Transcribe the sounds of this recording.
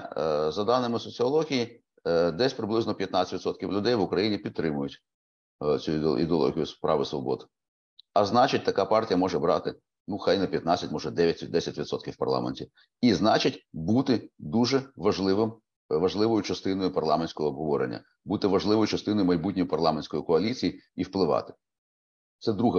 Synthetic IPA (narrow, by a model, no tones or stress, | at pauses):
zɐd̪ɑnɪmɪsɔt͡sʲiɔlˠɔɦʲiji | d̪ɛsʲpɾɪblˠɪznɔpʲjɐt̪naɑt͡sʲɐ̥tʲit̪sɔt̪kʲiwlʲʊd̪ɛjʋʊkɾɐjinʲipʲid̪t̪ːɾɪmʊjʊtʲ | t͡sʲuḭd̪eɔlˠɔ̰ɦʲijʊspɾɑ̰ʋɪsʋɔbɔd̪ɪ | ɐznɑt͡ʃɪt̚ʲt̪ɐkapɑrtʲijɐmɔʒɛbɾɑ̰t̪ɪ | nuxɑjnɐpʲjɐt̪nat͡sʲːɐtʲmɔʒɛd̪ɛʋʲjɐtʲd̪ɛsʲɐtʲʋʲit̪sɔt̪kʲiwpɐ̰rlˠɑ̰menʲtʲi | iznɑt͡ʃɪtʲbut̪ɪd̪uʒɛʋɐʒlˠɪʋɪm | ʋɐʒlˠɪʋɔjʊt͡ʃɐst̪ɪnɔjʊpɐrlˠɑmenʲsʲkɔɦɔːbɦɔʋɔɾḛnʲːɐ̰ | but̪ɪʋɐʒlˠɪʋɔjʊt͡ʃɐst̪ɪnɔjʊmɐjbutʲnʲɔjʊpɐrlˠɑmenʲsʲkɔjikɔɐlʲit͡sʲijiiwplˠɪʋɑ̰t̪ɪ̥ | t̪sɛd̪ɾuɦɛ